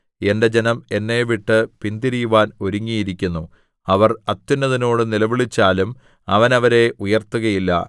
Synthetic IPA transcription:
e̞nde̞d͡ʑenɐme̞nːe̞ːʋiʈːɨpind̪iɾijuʋaːno̞ɾuŋːijiɾikʲːunːu | ɐʋɐrɐt̪ːunːɐðino̞ːɽɨnilɐʋiɭit͡ɕːaːlum | ɐʋɐnɐʋɐɾe̞ʔujɐrt̪ːuɣɐjilːɐ̰

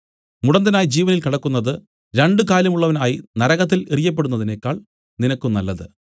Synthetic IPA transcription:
muɽɐnd̪ɐnaːjid͡ʑiːʋɐnilkiɽɐkːunːɐðɨ | ɾeɳɖɨkaːlɐmuɭːɐʋɐnaːjinɐɾɐɣɐt̪ːilerijɐp̬ːe̞ɽunːɐðine̞ːkːaːɭ | ninɐkːumnɐlːɐðɨ̰

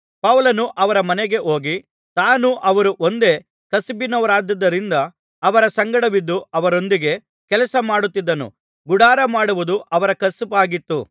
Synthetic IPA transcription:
pɐʋlɐnuʔɐʋɐɾɐmɐneɡe̞ʔo̞ːɡi | t̪aːnuʔɐʋɐɾuʔo̞nd̪e̞ | kɐsibinːɐʋɐɾaːd̪ɐd̪ːɐɾind̪ɐː | ʋɐɾɐsɐŋɡɐɽɐʋid̪ːuɐʋɐɾo̞nd̪iɡe̞ | kɛlɐsɐmaːɽut̪ːid̪ːɐnṵ | ɡuɽaːɾɐmaːɽuʋud̪uʔɐʋɐɾɐkɐspaːɡit̪ːu

